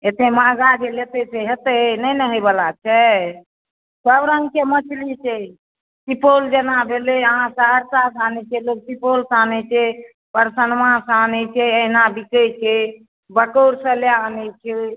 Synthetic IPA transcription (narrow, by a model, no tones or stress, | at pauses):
et̪ʰemãɡad͡ʒelet̪eseɦet̪enəjnəɦebəlat͡ʃʰɛ | səbɾəŋɡkemət͡ʃʰlit͡ʃʰɛ | sipold͡ʒenabʱeleəɦãsə̃ɦəɾsasanɛt͡ʃʰɛlok̚sipolsanɛt͡ʃʰɛ | pəɾsənmãsəanɛt͡ʃʰɛəɦnabikət͡ʃʰe | bəkoɾsə̃leanɛt͡ʃʰɛ